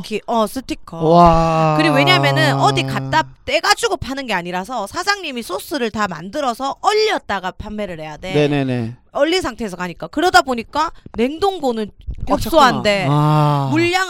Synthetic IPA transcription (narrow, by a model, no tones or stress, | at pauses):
kʰiʔʌs͈ʰɯtʰikʰʌkɯɾiɡoweɲamjʌnɯnʌdikat͈at͈e̞ɡad͡ʑuɡopʰanɯnɡe̞aɲiɾasʰʌsʰad͡ʑaŋɲimisʰos͈ʰɯɾɯɭtama̰ndɯɾʌsʰʌʔʌʎːʌt̚t͈aɡapʰamme̞ɾɯɭhe̞jadeneneneʌʎːisʰaŋtʰe̞sʰʌkʰaɲik͈akɯɾʌdaboɲik͈ane̞ŋdoŋɡonɯnkok̚s͈oɦande̞muʎːaŋ